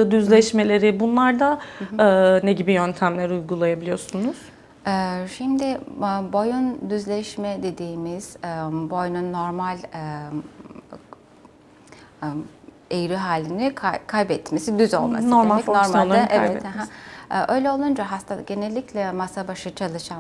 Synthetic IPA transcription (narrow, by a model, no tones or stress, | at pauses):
ɯd̪yzlʲɛʃme̞lʲe̞ɾibunlˠaɾd̪aɯːneɟibijønt̪ʰæmlʲæɾiujɡulˠajabilʲijo̞sunuz̥ | ɛːʃimd̪ɪbo̞jund̪yzlʲɛʃmɛd̪e̞d̪iːmiz̥ɛbo̞jnunːo̞ɾmalʲ | ejɾiɦaːlʲːinikʰakʰajbɛt̪me̞sid̪yzo̞lˠma̰noɾmalɛcnoɾmaaaʔɛvɛt̪hɛɦaʔø̞jlʲɛo̞lˠund͡ʒaɦast̪ʰaɟe̞nɛlʲːiclʲɛmasabaʃɯt͡ʃʰalˠɯʃan